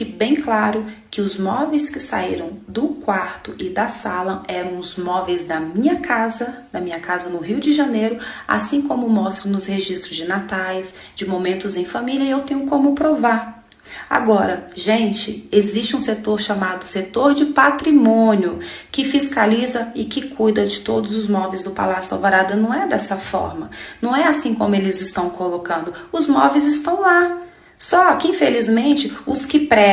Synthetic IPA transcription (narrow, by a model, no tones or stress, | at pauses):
kɪbẽj̃klaɾʊkɪʊzmɔvejskɪsa̰iɾɐ̃w̃d̪ʊkwaɾt̪ʊʔɪd̪ɐsalɐʔɛɾɐ̃w̃ʊzmɔvejzd̪ɐmĩɲɐkʰazɐd̪ɐmĩɲɐkazɐnʊɦiwd͡ʒɪʒɐnejɾʊa̰sĩkõmʊmɔst̪ɾɐ̃nʊsheʒist̪ɾʊzd͡ʒɪnat̪ajs | d͡ʒɪmomẽnt̪ʊzẽj̃familiɐɪewt̪ẽɲʊkõmʊpɾovaɾ | a̰ɡɔɾɐʒẽnt͡ʃɪezist͡ʃɪũset̪oɾʃamad̪ʊset̪oɾd͡ʒɪpat̪ɾimõnjʊkɪfiskalizɐɪkɪkʰujd̪ɐd͡ʒɪt̪od̪ʊzʊzmɔvejzd̪ʊpa̰lasjʊla̰voɾad̪ɐnɐ̃w̃ɛd̪ɛsɐfɔ̰ɾmɐnɐ̃w̃ɛasĩkõmʊelɪzɪst̪ɐ̃w̃kolokɐ̃nd̪ʊʊzmɔvejzɪst̪ɐ̃w̃la | sɔkɪĩfelizmẽnt͡ʃɪʊskɪpɾɛ